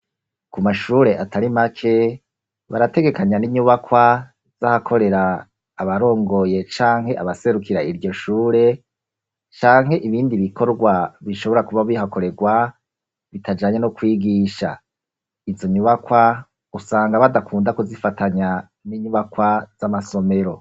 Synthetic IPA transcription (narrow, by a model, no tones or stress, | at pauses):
kumaʃuːɾe̞ʔatʰaɾimakʰe̞ | βaɾate̞ɡe̞kaɲaniɲuβakwa | z̥ahakʰo̞ɾe̞ɾaː | βaɾo̞ːŋɡo̞je̞t͡ʃaːŋɦhe̞ʔaβase̞ɾukiɾaiɾɟo̞ʃuːɾe̞ | t͡ʃaːŋhe̞ʔiβiːndiβikʰo̞ɾɡwaβiʃo̞βo̞ɾakuβaβiɦako̞ɾe̞ɡwa | βitʰad͡ʒaɲanukwiːɡiʃa̰ | izo̞ɲuβakwa | usaːŋɡaβadakʰuːndakozifatʰaɲa | niɲuβakwaz̥amaso̞me̞ɾo̞